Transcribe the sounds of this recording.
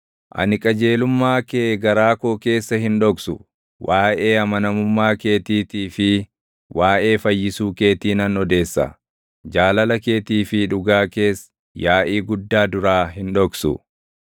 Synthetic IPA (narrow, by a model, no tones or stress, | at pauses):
ʔɐ̰nɪkʼɐd͡ʒe̞ːlʊmːaːkeːɡɐɾaːkoːke̞ːsːɐɦɪnᶑɔksʊ̰ | waːʔe̞ːɐmɐnɐmʊmːaːke̞ːt̪iːt̪iːfɪ | wʔaːʔe̞ːfɐjːɪsuːke̞ːt̪iːnɐnɔd̪e̞ːsːɐ̰ | d͡ʒaːlɐlɐke̞ːt̪iːfɪᶑʊɡaːke̞ːs | jaːʔiːɡʊd̪ːaːd̪ʊɾaːɦɪnᶑɔksʊ̰